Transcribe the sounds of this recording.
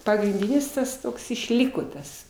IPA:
pɐɡrʲɪnʲˈdʲiːnʲɪs ˈtɐs ˈtoːks ɪʃʲˈlʲiːkoː ˈtɐs

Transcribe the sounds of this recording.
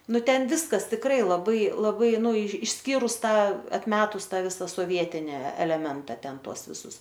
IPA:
ˈnʊ ˈtʲɛn ˈʋʲɪskɐs tʲɪkˈrɐɪ lˠɐˈbɐɪ lˠɐˈbɐɪ ˈnʊ ɪʃʲˈsʲkʲiːrʊs ˈtɑː ɐtʲˈmʲæːtʊs ˈtɑː ˈʋʲɪsɐ soːˈʋʲiɛtʲɪnʲɪ ɛlʲɛˈmʲɛntɐ ˈtʲɛn ˈtuɔs ʋʲɪˈsʊs

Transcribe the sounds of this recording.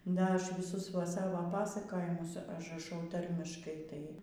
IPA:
ˈdɐ ˈɐʃ ʋʲɪˈsʊs ʋɐ ˈsɑːʋoː ˈpɑːsɐkoːjɪmʊs ɐʒrɐˈʃɐʊ ˈtɐrʲmʲɪʃkɐɪ tɐɪ

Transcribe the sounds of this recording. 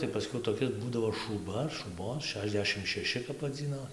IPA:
tɐɪ pɐˈsʲkʲɛʊ toːˈkʲɪs ˈbuːdɐʋoː ʃuːˈbɐ ɐr ʃuːˈboːn ˈʃʲæːʒʲˌdʲæːʃʲɪm ʃʲɛˈʃʲɪ kɐp ʋɐˈd͡zʲiːnoː

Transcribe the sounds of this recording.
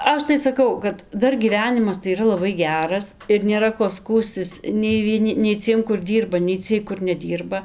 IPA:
ˈɐʃ tɐɪ sɐˈkɐʊ kɐt ˈdɐr ɡʲiːˈʋʲæːnʲɪmɐs tɐɪ iːˈrɐ lˠɐˈbɐɪ ˈɡʲæːrɐs ɪr nʲeːˈrɐ koː ˈskuːsʲtʲɪs nʲɛɪ ʋʲiɛˈnʲɪ nʲɛɪ ˈt͡sʲiɛm kʊr ˈdʲiːrbɐ nʲɛɪ ˈt͡sʲiɛj kʊr nʲɛˈdʲiːrbɐ

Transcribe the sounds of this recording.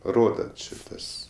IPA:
ˈroːdɐ ˈt͡ʃʲɪ ˈtɐs

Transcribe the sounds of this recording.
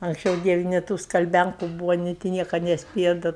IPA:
ɐŋksʲˈt͡ʃʲɛʊ ˈdʲiɛʋʲɛ nʲeː ˈtuː skɐlʲˈbʲæŋkʊ ˈbuːʋɐ nʲeː tʲɪ ˈnʲiɛkɐ nʲɛsʲˈpʲeːjɛ dɐ

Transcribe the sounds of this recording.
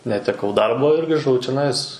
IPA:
nʲɛtʲɛˈkɐʊ ˈdɐrboː ɪr ɡrʲɪˈʒɐʊ t͡ʃʲɛˈnɐɪs

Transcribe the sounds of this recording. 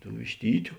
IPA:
tuː ʋʲɪʃʲˈtʲiːtʲʊ

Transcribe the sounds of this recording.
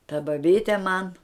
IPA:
tɐ bɐˈbʲiːtʲɛ mɐn

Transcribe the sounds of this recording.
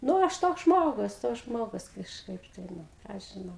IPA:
ˈnʊ ˈɐʃ toːks ˈʒmoːɡʊs toːks ˈʒmoːɡʊs kɐʃˈkɐɪp tɐɪ ˈnʊ ˈkɑː ɐʃ ʒʲɪˈnɐʊ

